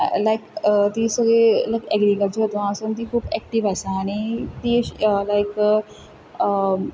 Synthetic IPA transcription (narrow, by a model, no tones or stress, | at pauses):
lajkət̪isəɡɭelajkɛɡɾikəlt͡ɕəɾət̪ʋãəsunt̪iːkʰuːbɛk̚ʈiʋajsãːɽ̃it̪iːəlajk | ə